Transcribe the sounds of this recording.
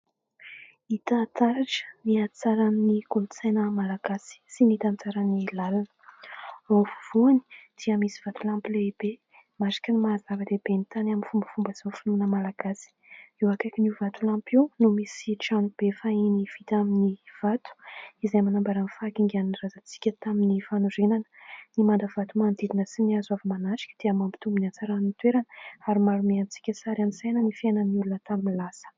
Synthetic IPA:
it̪at̪aɾaʈ͡ʂə̥niat͡saɾaminikulut͡sajnəmalaɡ̥asi̥sinit̪ant͡saɾanilalanə̥ | ovuv̥uani̥d̪̥iəmisi̥v̥at̪ulampileb̥e | maɾḁkənimaːzavəd̪eb̥ent̪anaminfumbəfumbəz̥ofinunəmalaɡ̥asi̥iwakakinivat̪ulãmpiwnumisiʈ͡ʂanub̥efainiv̥it̪aminiv̥at̪u̥izajmanambaɾanfakiŋɡaninirazat͡si̥kʲət̪aminifanuɾenanə̥nimand̪əv̥at̪umand̪id̪inəsiniazwavəmanat͡ʃi̥kʲəd̪̥eamambi̥t̪umbunant͡saɾanit̪weɾanəaɾimaɾumeant͡si̥kʲəsaɾaminsajnənifenənulunət̪aminlasə̥

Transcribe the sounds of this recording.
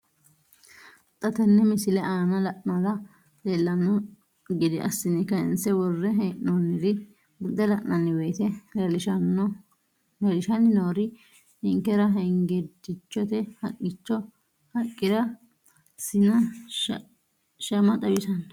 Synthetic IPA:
t̪ʼɐt̪ɛnːɛmɪsɪlɛʔaːnɐlɐʔnɐd̪ɐ | d̪elːɐnːɔ | ɡɪd̪ɪʔɐ̰sːɪnɪkːɐɪ̰nsɛwɔrːɛɦɛʔnonːɪd̪ɪ | bʊd̪ɛlɐʔnɐnːɪwɛjt̪ɛlelɪʃɐn | lelɪʃɐnɪnoːɾɪ | hɛŋkːɛɾɐɦɛŋɡɛd̪ɪt͡ʃːɔt̪ɛhɐkʼːɪt͡ʃːɔ | hɐkʼːɪɾɐ | sɪnɐ | ʃɐmɐt̪ʼɐbɪsɐn

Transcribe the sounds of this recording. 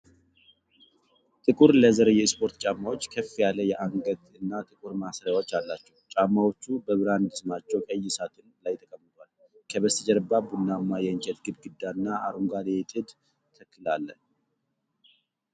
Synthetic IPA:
t̪ʼɨkʼuɾləzəɾəjɛspʰo̞ɾt̪t͡ʃʼamːawot͡ʃːkʰəfːijalːəjɛʔaŋɡət̪ɨnːat̪ʼɨkʼuɾmasɾajawo̞t͡ʃːalːat͡ʃːɛwt͡ʃʼamːawo̞t͡ʃːubəβɨɾand̪ɨsɨmat͡ʃːɛwkʼəjːɪsat̪ʰɨnlajt̪ʼəkʼəmːɨt̪ʰʼwal | kʰəβəsɨd͡ʒəɾbabunːamːajɛɨɲt͡ʃʼɛt̪ɡɨd̪ɡɨd̪ːaɨnːaːɾuŋɡalet̪ʼɨd̪ | t̪ʰəkʰːɨlalːə

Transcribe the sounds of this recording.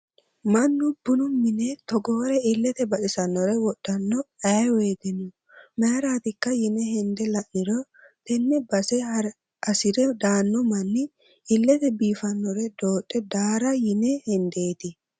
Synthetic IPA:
mɐnːʊbʊnʊmɪnɛt̪ɔɡoːɾɛɪlːɛt̪ɛbɐʔɪsɐnːɔɾɛwɔɗːɐnːɔɐweːt̪ɛnʊ | mɐɾaːt̪ɪkːɐjɪnɛhɛnd̪ɛlɐnːɪɾɔ | t̪ɛnːɛbɐsɛ | ɐsɪdɛd̪aːnːɔmɐnːɪ | ɪlːɛt̪ɛbiːfɐnːɔɾɛd̪o̞ːɗʼːɛd̪aːɾɐjɪnɛhɛnd̪e̞ːt̪ɪ

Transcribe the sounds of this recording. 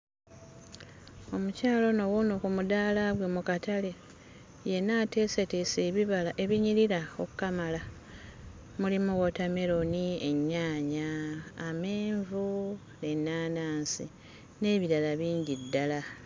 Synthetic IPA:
o̞mucaːlo̞no̞wunokumudaːlaβwemukatale̞ | je̞naːte̞ːseteseβiβalaʔe̞βiɲiɾiɾaokkamala | mulimuwotame̞ɾo̞nie̞ɲːaːɲaːmeːɱvu | nenːaːnaːnsi | ne̞ːβiɾalaβiːɲɟidːala

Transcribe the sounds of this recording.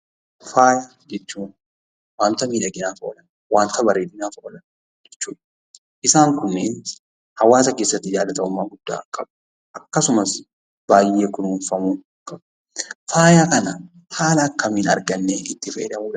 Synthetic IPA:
faːja | d͡ʒɛt͡ʃːuːn | waːnt̪ɐmiːᶑɐɡɪnaːfɐɔ̰lɐn | waːnt̪ɐbɐɾeːᶑɪnaːfɐʔɔlɐn | d͡ʒɛt͡ʃːuːᶑɐ̥ | ʔɪsaːŋkʊmːeːn | hɐwaːs̬ɐke̞ːsːɐt̪ːɪd͡ʒaːlːɐt̪ɐʊmːaːɡʊd̪̥ːa̰ːkʼɐb | ʔɐkːɐsʊmɐs | b̥aːje̞ːkʊnuːnfɐmuː | kʼɐb | faːjakɐnɐ | haːlɐːkːɐmiːnɐ̰ɾɡɐnːeːɪt̪ːɪfɐʔɛ̰ᶑɐbuːᶑ

